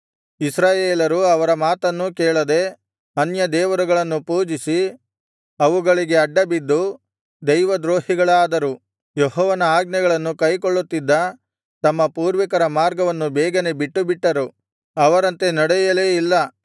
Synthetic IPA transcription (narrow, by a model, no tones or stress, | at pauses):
isɾaːjeːlɐɾuɐʋɐɾɐmaːt̪ɐnːukɛːɭɐd̪e̞ | ɐnjɐd̪ɛːʋɐɾuɡɐɭɐnːupuːd͡ʒisi | ɐʋuɡɐɭiɡe̞ɐɖːɐbid̪ːu | d̪ɐjʋɐd̪ɾoːɦiɡɐɭaːd̪ɐɾu | jeɦɔːʋɐnɐaːɡnɛɡɐɭɐnːukɐjkoɭːut̪ːid̪ːɐ | t̪ɐmːɐpuːɾʋikɐɾɐmaːɾɡɐʋɐnːubɛːɡɐne̞biʈːubiʈːɐɾu | ɐʋɐɾɐnt̪e̞nɐɽɛjɐle̞ːilːɐ